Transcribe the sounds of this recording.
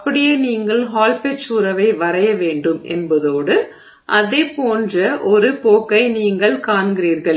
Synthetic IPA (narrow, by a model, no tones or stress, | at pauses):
ɐpːɐɽɪjeːniːŋɡɐɭɦaːlpɛt͡ʃuːɾɐʋɐɪʋɐɾɐjɐʋeːɳɖɯmʔɛ̰nbɐðoːɽɯ | ʔɐðeːpoːndrɐʔɔɾɯpoːkːɐɪniːŋɡɐɭkaːɳɡɪɾiːɾɣɐɭ